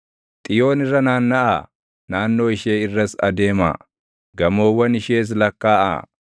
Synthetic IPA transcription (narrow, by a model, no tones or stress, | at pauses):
t̪ʼɪjo̞ːnɪrːɐnaːnːɐʔaː | naːnːo̞ːɪʃeːɪrːɐsɐ̰d̪e̞ːma̰ː | ɡɐmo̞ːwːɐnɪʃeːs̬lɐkːaːʔa̰ː